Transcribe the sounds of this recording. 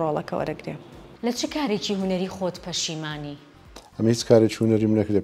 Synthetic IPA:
rolˠɐkʰɐwɐ̰ɾɨɡɾe | lɐt͡ʃʰɨkʰaːɾet͡ʃiɦunɐɾiːχoːt̪pʰɐʃimaːni | ɐmhit͡ʃkʰaːɾet͡ʃihunɐɾimnɐkɨɾde

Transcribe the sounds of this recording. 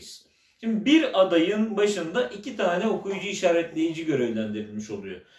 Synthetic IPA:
ʃimd̪ibiɾad̪ajɯnbaʃɯnd̪aʔicʰit̪ʰaːnɛo̞kʰujud͡ʒuiʃaːɾɛt̪lʲe̞jid͡ʒiɟø̞ɾevlʲænd̪iɾilʲmiʃo̞lˠujo

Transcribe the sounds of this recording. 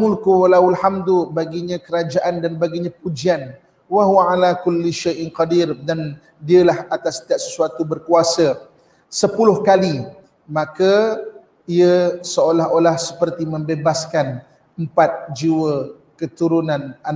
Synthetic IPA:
mʊlkuwalawalħamdubaɡiɲãkəɾad͡ʒaʔandanbaɡiɲãp̚ud͡ʒian | waɦuaalakʊlːiʃajʔnqɑdirdan | diəlahat̪ast̪iaʔ̚sə̥suat̪ubərkuasə | səpulʊhkali | mãka | iəsəolaɦolahsə̥pərt̪imə̃mbebaskan | əmpat̪̚d͡ʒiwə | kət̪uɾunãnan

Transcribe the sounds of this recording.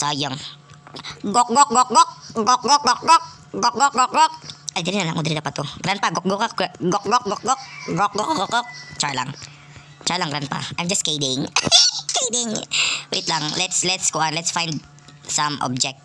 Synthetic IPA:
sajəŋ | ɡɔk̚ɡɔk̚ɡɔk̚ɡɔk̚ɡɔk̚ɡɔk̚ɡɔk̚ɡɔk̚ | ɡɔk̚ɡɔk̚ɡɔk̚ɡɔk̚adaninalaŋud̪ɾidapat̪uɡɾanpaɡɔk̚ɡɔkɔkɡɔk̚ɡɔk̚ɡɔk̚ɡɔk̚ɡɔk̚ɡɔkɡɔkɡɔk̚t͡ʃala̰ŋ | t͡ʃalaŋɡɾanpa̰ʔajmd͡ʒaskedɪŋkejdɪŋwḭt̪laŋlɛtslɛtskoanlɛtsfajnd | samɔ̰b̚d͡ʒɛk̚t̪̚

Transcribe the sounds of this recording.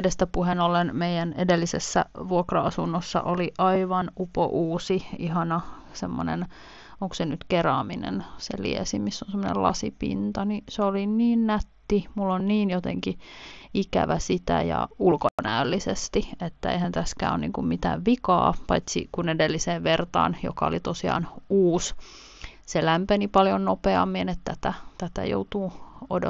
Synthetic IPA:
dest̪æpuhenolenmeijænedelːisḛsːæ̰ʋuokrɑɑsunːosːɑ̰ʔoliʔɑiʋɑnupo̰ʔuːsiihɑnɑ | semːo̰nḛn | oŋksenyt̪kerɑːminḛnsḛlḭesimisːonsemːonḛlɑ̰sipḭnt̪ɑniseoliniːnnæt̪ːimulːonniːnjot̪ḛŋkiikæ̰ʋæsit̪æjɑ̰ulkonæylːisest̪iet̪ːæḛihænt̪æskæ̰ːo̰nniːŋkummit̪æ̰ːʋʋikɑ̰ːpɑit̪sḭkunedelːiseːʋʋert̪ɑ̰ːnjo̰kɑo̰lit̪osiɑ̰ːnuːs | selæmpenipɑljonnopeɑmːienet̪t̪æt̪æt̪æt̪æ̰jo̰ut̪uːodo

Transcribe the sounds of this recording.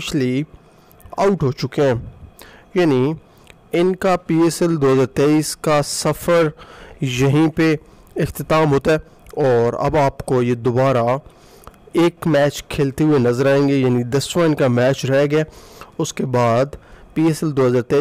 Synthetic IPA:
ɪt͡ʃli | a̰ːʊʈɦoːt͡ʃʊkeɦɛ̃ː | jaːni | ɪnkapiːeːsɛld̪oːɦəzaːɾt̪eːiːskasɐfəɾjɐɦĩpe | ɪxt̪ɪt̪aːmɦoːt̪aɦɛ | ɔːɾɐ̰baːpkojed̪obaːɾa | eːkmɛːt͡ʃkʰeːlt̪eɦuenɐzəɾaːẽːŋɡejaːnid̪ɐsʋaːnkamɛːt͡ʃɾɛɦɡaːʊskebaːd̪piːeːsɛld̪oːɦəzaːɾt̪eː

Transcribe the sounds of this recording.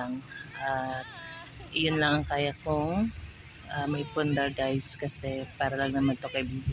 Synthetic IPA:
ŋʔat̪̚ | ʔɪjʊnlɐŋɐŋkaːjɐkoŋ | ʔamɐjpɔnd̪ɛɹɡajskɐsɛpaːɾɐlɐŋnɐŋmɐnt̪okɐjbib

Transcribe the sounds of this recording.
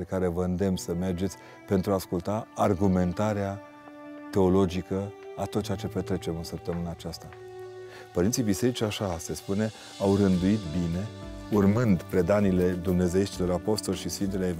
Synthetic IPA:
ekaɾe̞vəɨnd̪e̞msəme̞rd͡ʒet̪sʲ | pe̞nt̪ɾuaːskult̪aarɡume̞nt̪aɾea | t̪e̞o̞lo̞d͡ʒikəat̪ot̪t͡ʃeat͡ʃe̞pe̞t̪ɾe̞t͡ʃe̞mɨnsəp̚t̪əmɨnaːt͡ʃast̪a | pəɾint̪sibise̞ɾit͡ʃʲaʃase̞spune̞ | awrɨnd̪uit̪bine̞urmɨnd̪pɾe̞d̪anile̞d̪umne̞ze̞jeʃt̪ilo̞ɾapo̞st̪o̞lʲʃisfint̪elae

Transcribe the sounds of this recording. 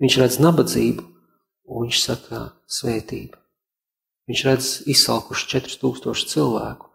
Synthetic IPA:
viɲt͡ʃɾad̪znabad̪ziːbu | unviɲʲt͡ʃsakʰa | svɛːt̪iːbə | viɲʲt͡ʃɾad̪zissa̰lˠkuʃt͡ʃɛt̪ɾt̪uːkst̪uɔʃt̪silˠvæ̰ːkʊ̥

